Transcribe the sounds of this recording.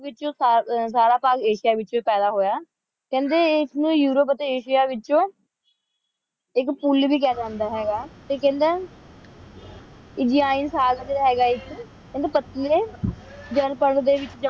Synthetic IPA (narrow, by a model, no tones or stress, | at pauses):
ʋɪt͡ʃõːasaːɾaːpaːkeːʃɪjaːʋɪt͡ʃõːpɛːd̪aːɦoːjaː | kɛ̃ːnd̪eːsnũːjuːɾəp̬ət̪eːeːʃɪjaːʋɪt͡ʃõː | ɪkpulbiːk̬ɛːd͡ʒãːnd̪aːɦɛːɡaːt̪eːkɛ̃ːnd̪eː | ɪd͡ʒiːaːɪnsaːɡd͡ʒeɾaɦɛːɡaːɪk | kɛ̃nd̪eːpət̪leːd͡ʒənpəɳd̪eːʋɪt͡ʃd͡ʒə